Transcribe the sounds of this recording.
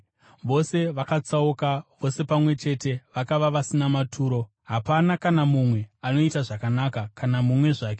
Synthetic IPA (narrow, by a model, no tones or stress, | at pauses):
ʋo̞se̞ʋakat͡saukaʋo̞se̞pamwe̞t͡ʃe̞te̞ʋakaʋaʋasinamatʰuːɾo̞ | ɦapanakanamumwe̞ano̞itaʐakanakakanamumwe̞ʐaːke